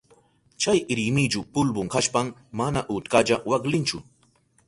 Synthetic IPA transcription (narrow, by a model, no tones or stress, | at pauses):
t͡ʃajɾɪmɪd͡ʒʊpʊlbʊŋkaʃpammanaʔʊt̪kad͡ʒawaklɪnt͡ʃʊ̰